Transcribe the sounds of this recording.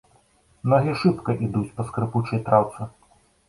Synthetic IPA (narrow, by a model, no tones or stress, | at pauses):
nɔɣʲiʂɨpkɐʔid̪ut͡sʲpɐskɾɨput͡ʂɐjt̪ɾawt̪sɨ